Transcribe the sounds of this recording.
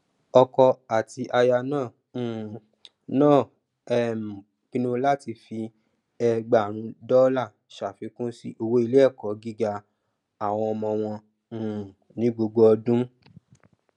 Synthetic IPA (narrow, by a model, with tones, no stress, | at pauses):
ɔ˧kɔ˧a˨ti˧ʔa˧ja˧nãː˦˨ | nãː˦˨ | ɛ˦˨m̩˨ | kĩ˦nũ˦la˦˨ti˧fi˧ | ɛ˧ɡ͡ba˨ɾ̃ũ˨˦dɔ˦la˦˨ | ʃa˨fi˨˦kũ˦si˦ʔo˧wo˦i˦˧le˦ɛ˦˨kɔ˨˦ɡi˦ɡa˧ | a˨w̃ɔ̃˧ɔ˧mɔ̃˧w̃ɔ̃˧˨ | nĩ˨˦ɡ͡bo˧ɡ͡bo˧˦ɔ˧dũ˦